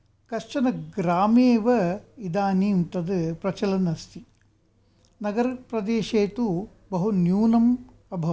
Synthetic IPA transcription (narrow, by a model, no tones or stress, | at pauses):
kɐʂt͡ʃɐnɐɡɾaːmeːʋɐid̪aːniːmt̪ɐd̪ɨpɾɐt͡ʃɐlɐnɐst̪i | nɐɡɐɾɐpɾɐd̪eːʃeːt̪u | bɐɦunjuːnɐm | ɐbʱɐ